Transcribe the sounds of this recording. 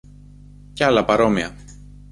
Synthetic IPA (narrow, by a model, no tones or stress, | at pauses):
ceɐlɐpɐɾo̞miɐ